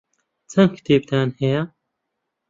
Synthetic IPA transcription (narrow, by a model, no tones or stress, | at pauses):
t͡sʰɐmkʰi̥t̪ʰeːbt̪ʰaːnhɐjɐ